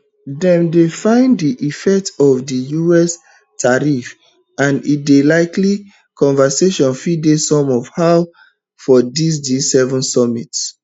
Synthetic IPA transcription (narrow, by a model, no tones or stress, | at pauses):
dɛ̃mdefãɪ̃ndiʔifɛk̚tɔvdijuɛs | tʰaɹif | ãnit̚delaɪkli | kʰɔ̃nvəseʃɔ̃nfidesɔ̃mɔvhaʊ | fɔdis̬disɛvɔ̃nsɔmits